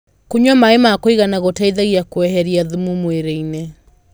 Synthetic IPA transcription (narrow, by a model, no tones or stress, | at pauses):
kuɲɔmaemakoiɣanaɣotaiðaɣiakwɛhɛɾiaðumumweɾeine